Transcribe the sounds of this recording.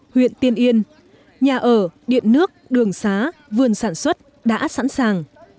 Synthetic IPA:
hwḭ˧˨ənt̪i˧ənʔi˧ən | ɲaː˨˩ʔəː˧˩ɗḭ˧˨ənnɨ˦˥ək̚ɗɨ˨˩əŋsaː˨˦vɨ˨˩ənsaː˧˩nswə˦˥t̚ | ɗa̰ː˧˥sa̰˧˥nsaː˨˩ŋ

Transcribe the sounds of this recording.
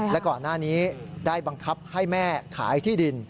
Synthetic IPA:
lɛ˦˥kɔː˨˩nːaː˥˩niː˦˥daː˥˩jba˧ŋkʰa˦˥p̚ha˥˩jmɛː˥˩kʰa̰ː˩˦jt̪ʰiː˥˩di˧n

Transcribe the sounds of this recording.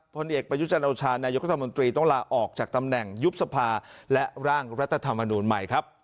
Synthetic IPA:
pʰo˧nʔeː˨˩k̚pɾa˧ju˦˥t͡ɕa˧nʔoː˧t͡ɕʰaː˧naː˧jo˦˥kɾt̪ʰːamo˧nt̪ɾiː˧t̪ɔ˥˩ŋlaː˧ʔɔː˨˩k̚t͡ɕaː˨˩k̚t̪a˧mnɛ˨˩ŋju˦˥p̚sa˧pʰaː˧lɛ˦˥ɾaː˥˩ŋɾa˦˥t̪ʰːa˧t̪ʰa˧mːa˧nuː˧nma˨˩jkʰɾa˦˥p̚

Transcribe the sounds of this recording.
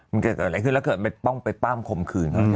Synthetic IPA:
mɨ˧˩nka˨˧˩k̪ːla˨˦jkʰːnla˧˥kɤː˨˩t̪̚ma˧˩pɔ˧˩wŋpa˧jpaː˥˩˨mkʰo˨˩˨mkʰɯː˧˩nːɔ˦

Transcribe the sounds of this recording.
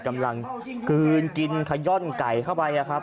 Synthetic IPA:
ka˧mla˧ŋkɯː˧nki˧nkʰa˧jɔ˥˩nka˨˩jk̪ʰa˥˩wpa˧jʔa˨˩kʰɾa˦˥p̚

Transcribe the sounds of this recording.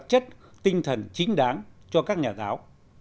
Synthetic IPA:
t̚t͡ɕə˦˥t̚t̪ï˧ŋt̪ʰə˨˩nt͡ɕi˨˦ŋ̟ɗaː˨˦ŋt͡ɕɔ˧kaː˦˥k̚ɲaː˨˩zaː˨˦w

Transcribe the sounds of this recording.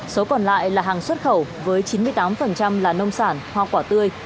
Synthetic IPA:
so˨˦kɔ˨˩nla̰ː˧˨jlaː˨˩ɦaː˨˩ŋswə˦˥t̚xə˧˩wvəː˨˦jt͡ɕi˨˦nmɨ˧əjt̪aː˨˦mfə˨˩nt͡ɕa˧mlaː˨˩nə˧wŋ͡msaː˧˩nhwa˨˩kwaː˧˩t̪ɨ˧əj

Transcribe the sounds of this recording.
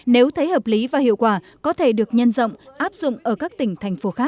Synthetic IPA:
ne˨˦wt̪ʰə˨˦jhəː˨˩p̚li˨˦vaː˨˩hḭ˧˨wkwaː˧˩ | kɔ˨˦t̪ʰe˧˩ɗɨ˨˩ək̚ɲə˧nzə̰˧˨wŋ͡mʔaː˦˥p̚zʊ̰˧˨ŋ͡mʔəː˧˩kaː˦˥k̚t̪ï˧˩ŋ̟t̪ʰa˨˩jŋ̟fo˨˦xaː˦˥k̚

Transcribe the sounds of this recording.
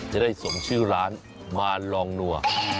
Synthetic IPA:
t͡ɕa˨˩daː˥˩jso˩˦ŋt͡ɕʰɯː˥˩ɾaː˦˥n | maː˧lɔː˧ŋnu˧˩ɐ

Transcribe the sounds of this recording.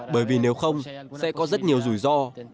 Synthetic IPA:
ɓəː˧˩jvi˨˩ne˨˦wxə˧wŋ͡msɛ̰˧˥kɔ˨˦zə˦˥t̚ɲi˨˩əwzu˧˩jzɔ˧

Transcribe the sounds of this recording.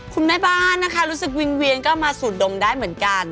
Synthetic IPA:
kʰu˧nma˦˥˩baː˥˩nːa˦˥kʰa˦˥ɾuː˦˥sɯ˨˩k̚wi˧ŋwi˧ənkɔː˥˩maː˧suː˨˩t̪̚do˧ŋdaː˥˩jmɯ˩˦ənka˧n

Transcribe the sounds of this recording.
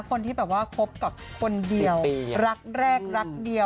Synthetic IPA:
kʰo˧nt̪iː˥˩bɛː˨˩p̚waː˥˩pʰo˦˥p̚ka˨˩p̚kʰo˧ndi˧əwɾa˦˥k̚ɾɛː˥˩k̚ɾa˦˥k̚di˧ə

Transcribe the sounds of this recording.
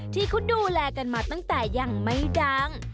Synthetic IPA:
t̪ʰiː˥˩kʰu˦˥nduː˧lɛː˧ka˧nmaː˧t̪a˥˩ŋt̪ɛː˨˩ja˨˩ŋma˧˩jdaː˦˧˥ŋ

